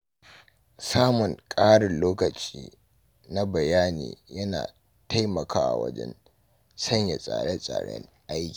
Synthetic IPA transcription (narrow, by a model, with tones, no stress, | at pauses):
saː˦mʊ˨ŋkʼaː˦ɽɪ˨nloː˦kɐ˨t͡ʃiː˦ | na˦bɐ˨jaː˦nḭː˨jɐ˦na̰ː˨ | tʰa˦jmɐ˨kaː˦ʔa̰˨wɐ̰˦d͡ʒɛ̰˦n | sɐ˦ɲja˨sʼa̰ː˨ɽɛ˦sʼa̰ː˨ɽɛ̰˦ŋʔa˦jkʲi̥ː˨